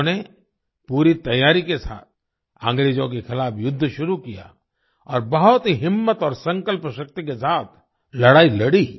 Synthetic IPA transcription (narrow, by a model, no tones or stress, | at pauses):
ne | puːɾit̪ɐjːaːɾikesa̰ːt̪̚ʰ | ã̰ːŋɡɾeːd͡ʒõk̬exɪlaːpjʊd̪ʱːʃʊɾukija̰ | ɔːɾbɐɦʊt̪ɦiɦɪmːət̪ɔːɾsɐ̃ŋkəlpəʃək̚t̪ikesaːt̪̚ʰ | lɐɽaːilɐɽi